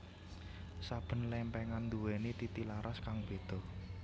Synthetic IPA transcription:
sab̥ə̤nlɛmpɛŋand̪uwenit̪it̪ilaɾʔaskaŋb̥e̤d̪̥ɔ̤

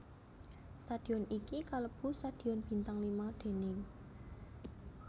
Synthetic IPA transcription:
st̪ad̪̥i̤ɔnikikaləb̥ṳst̪ad̪̥i̤ɔnb̥i̤nt̪aŋlimaɖ̪̥e̤nɪ

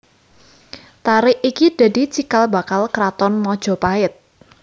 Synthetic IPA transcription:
t̪aɾɪʔikid̪̥ä̤di̤t͡ʃikalba̤kalkɾat̪ɔnmɔd̥ʒ̥ɔ̤paɪt̪̚

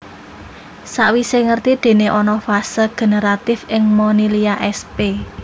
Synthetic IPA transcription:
saʔwiseŋərt̪id̪̥e̤neʔɔnɔfasəɡ̥e̤nəɾat̪ɪfɪŋmɔniliaʔɛspe

